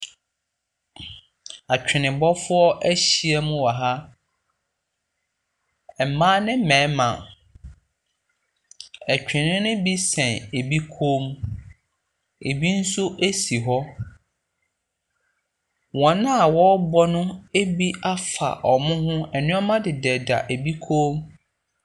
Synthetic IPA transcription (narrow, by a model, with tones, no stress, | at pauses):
a˨t͡ɕᶣɪ˨nɪ̃˨bɔ˦fʊ˦ɔ˦ʔæ˦ɕi˨ɛ˦mʊ̃˦wɔ˨ɦa˦ | ɛ˨m̩˨mãː˦nɪ̃˦m̩˦mɛ̃ː˨˦mã̰˨ | æ˨t͡ɕᶣʰɪ̃˨nɪ̃˦nʊ̃˦bi˦sɛ̃˨ne˨bi˦kʰoː˦m | e˨bi˦n̩˦sʊ˦ʔe˦si˨ɦɔ˦ | wɔ̃˨nã˦a˨wɔ˦bɔ˦nʊ̃˦e˦bi˦a˦fa̰˨ʔɔ˨mʊ̃˦hʊ̃˦ɛ˨nɪ̃˦ɔ˦mã˦dɪ˨dɛ˨da̰˨ʔæ˨bi˦kʰoː˦m